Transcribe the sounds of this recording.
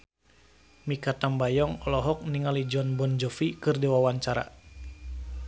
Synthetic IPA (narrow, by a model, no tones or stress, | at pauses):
mikat̪ambajɔŋɔlɔɦɔk̚niŋalid͡ʒɔnbɔnd͡ʒɔfikɨrdiwawaɲt͡ʃaɾa̰